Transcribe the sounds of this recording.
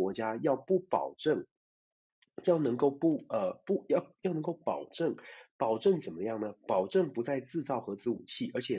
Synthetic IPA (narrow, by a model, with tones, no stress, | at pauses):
wɔ˧˥t͡ɕja˥jɑ˥˧ʊpu˥˩pɑ̰˨˩ʊʈ͡ʂɤ˥˩ŋ | jɑ˥˩ʊnɤ˧˥ŋko˥˧ʊpu˥˧ə˧pu˥˧jɑ˥˧jɑ˥˩nɤ˧˥ŋko˥˩ʊpɑ˨˩ʊʈ͡ʂɤ˥˩ŋpɑ˨˩ʊʈ͡ʂɤ˥˩ŋt͡sə˨˩nmə˦jɑ˥˩ŋnə˩pɑ˨˩ʊʈ͡ʂɤ˥˩ŋpu˧˥t͡sa˥˧ɪt͡sɹ̩˥˧t͡sɑ˥˩ʊxɤ˧˥t͡sɹ̩˧˥u˨˩t͡ɕʰi˥˩ʔə˞˧˥t͡ɕʰjɛ˨˩